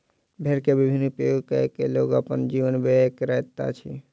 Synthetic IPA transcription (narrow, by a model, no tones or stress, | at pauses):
bʱeɾkebɪbʱɪnːpɾəjoɡkəekeloːɡəpənd͡ʒiːʋənbʱeekɾɛɦt̪a̰t͡ʃʰi